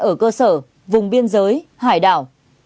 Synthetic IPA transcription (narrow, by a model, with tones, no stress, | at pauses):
ʔəː˧˩kəː˧səː˧˩ | vʊ˨˩ŋ͡mɓi˧ənzəː˨˦jhaː˧˩jɗa̰ː˧˨w